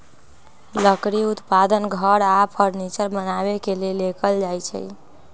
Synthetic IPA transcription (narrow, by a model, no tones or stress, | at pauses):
ləkɾiut̪pad̪ənɡʱəɾapʰəɾnit͡ʃəɾbənabekelelekəld͡ʒajt͡ʃʰɛ̰